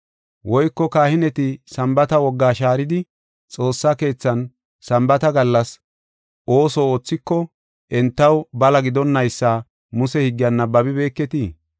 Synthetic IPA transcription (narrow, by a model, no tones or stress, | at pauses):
wʔɔjkːɔkaːhɪnɛt̪ɪsɐmbɐt̪ɐwɔɡːaːʃaːɾɪd̪ɪ | t͡sʼo̞ːsːake̞ːt͡sːɐn | sɐmbɐt̪ɐɡɐlːɐs | ʔo̞ːsɔoːt͡sːɪkːɔ | ʔɛnt̪ːɐwbɐlɐɡɪd̪ɔnːɐjsːaː | mʊsɛhɪɡːɪjɐnːɐbɐbɪbe̞ːkːɛt̪i